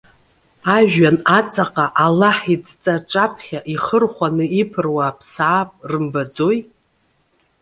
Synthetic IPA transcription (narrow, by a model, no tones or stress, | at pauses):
aʒᶣanat͡sʼaqʼaʔalaħidt͡sʼaʈ͡ʂʼapʰχʲaʔiχərχʷanɨipʰɨrwaːpʰsaːpʼrɨmbad͡zoj